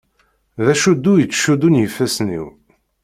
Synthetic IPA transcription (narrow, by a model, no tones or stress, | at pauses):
ðæʃud̪ːujət͡sːʃud̪unjəfːæsnḭw